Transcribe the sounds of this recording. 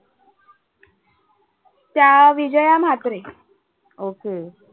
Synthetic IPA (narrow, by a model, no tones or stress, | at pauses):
t̪jaʋid͡ʑəjam̤at̪ɾe | oke